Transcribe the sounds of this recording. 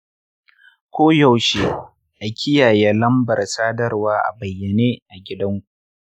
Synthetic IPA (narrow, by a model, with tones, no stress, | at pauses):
kʷoː˦ja˦˨wʃe˦ | ʔa˨kʲʰɪ˦jaː˨jɛː˦lɐ˦mbɐ˨rsaː˦dɐ˦rwaː˦ʔa̰˨bɐ˨jːɐ˨neː˦ʔa˨ɡʲɪ˦dɐ˦ŋkʷu˨ʔ